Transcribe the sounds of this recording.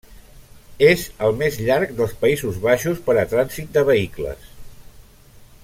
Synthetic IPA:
ezəlˠmezʎaɾk̚d̪əlˠspəizuzβaʃuspəɾət̪ɾanzit̪̚d̪əβ̞əiklə̰s

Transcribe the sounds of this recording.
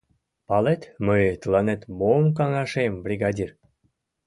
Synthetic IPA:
pɑlet̪məjt̪əlˠɑnet̪momk̬ɑŋɑʃembɾʲiɡɑdʲir

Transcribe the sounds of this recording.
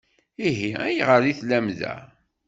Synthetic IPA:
iɦiæjʁəɾiθlæmðæ̰

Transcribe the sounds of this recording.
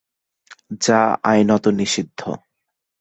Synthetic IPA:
d͡ʑaa̰jnɔt̪oniʃid̪ʱːo̰

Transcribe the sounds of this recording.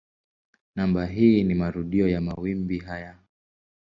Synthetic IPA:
nambaɦiːnimaɾuɗiɔjamawimbiɦaja

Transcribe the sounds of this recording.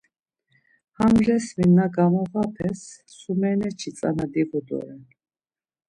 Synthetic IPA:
hamʒɛsminːaɡamɔʁapʰɛsː | umɛnɛt͡ʃʰit͡s̪ʼa̰nad̪iʁud̪ɔ̰ɾɛ

